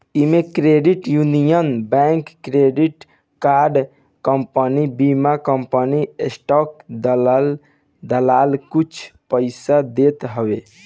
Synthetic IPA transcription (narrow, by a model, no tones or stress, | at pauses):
imekɾeɖiʈjunijənbɛ̃ŋkːɾeɖiʈ | kaɾɖ | kəmpənibimakəmpəniesʈɔk̚d̪ll | d̪əlalkut͡ʃʰpəɪsad̪et̪ɦəbe